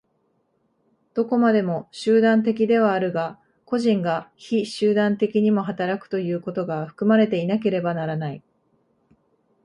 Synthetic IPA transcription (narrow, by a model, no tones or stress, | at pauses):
d̪̥o̞ko̞mad̪e̞mo̞ɕɨːd̪ãnt̪e̞k̬ʲid̪e̞β̞aːɾɯ̟ɡa | ko̞ʑĩŋɡaçiɕɨːd̪ãnt̪e̞kʲiɲ̟imo̞ɦat̪aɾakɯ̟̥t̪o̞jɯ̟ːko̞t̪o̞ɡaɸɯ̟̥kɯ̟maɾe̞t̪e̞inake̞ɾe̞banaɾanai